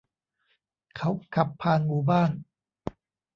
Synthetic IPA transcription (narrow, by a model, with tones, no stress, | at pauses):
kʰa˦˥wkʰa˨˩pʰːaː˧nmuː˧baː˥˩n